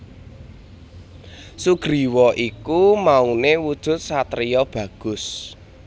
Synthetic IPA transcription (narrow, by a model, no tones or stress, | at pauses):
suɡ̥ɾi̤wɔʔikumaunewud̥ʒ̥ʊ̤t̪̚sat̪ɾijɔb̥ä̤ɡ̥ʊs